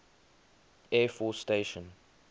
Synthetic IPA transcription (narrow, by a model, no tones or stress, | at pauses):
ɛfɔsteɪʃə̃n